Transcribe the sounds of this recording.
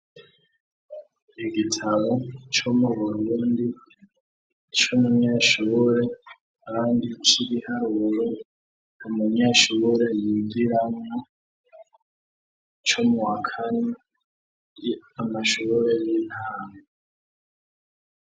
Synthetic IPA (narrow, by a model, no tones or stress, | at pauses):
iɡitʰaβo̞t͡ʃomuβuɾuːndi | t͡ʃomumɲaʃuːɾe̞ | aβaːndit͡ʃiɡihaɾuɾo | numumɲaʃuɾe̞jiɡiɾamŋo | t͡ʃomuwakʰane | jamaʃuːɾe̞jin̥haːŋe